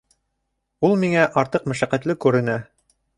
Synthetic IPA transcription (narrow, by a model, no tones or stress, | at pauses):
ulˠmiŋæʔɑɾt̪ɤqmæʃæqæt̪lɘkʉɾɘ̆næ